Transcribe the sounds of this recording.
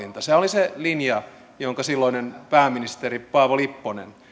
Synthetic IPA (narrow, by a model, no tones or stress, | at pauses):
int̪ɑseoliselinjɑ | joŋkɑsilːoinenpæːmːinist̪eripɑːʋolipːonḛn